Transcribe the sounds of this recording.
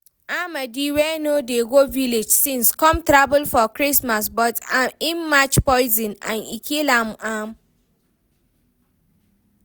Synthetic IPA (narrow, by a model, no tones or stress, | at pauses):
amadiwɛnodeɡoviled͡ʒsĩnskɔ̃mtɹabulfɔkɹismas̬bɔtamĩnmat͡ʃpɔɪzĩnã̰nḭkʰilamam